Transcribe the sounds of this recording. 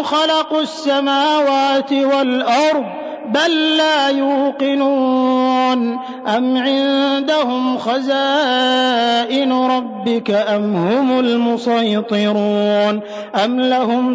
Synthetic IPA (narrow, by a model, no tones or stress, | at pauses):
xɑlɑqʊsːamaːwaːt̪ɪwalʔɑɾˤðˤ | balːaːjuːqɪnuːn | ʔamʕɪnd̪ahʊmxazaː | ʔɪnʊɾˤɑbːɪkaʔamhʊmʊlmʊsˤɑjt̪ˤɨɾuːn | ʔamlahʊm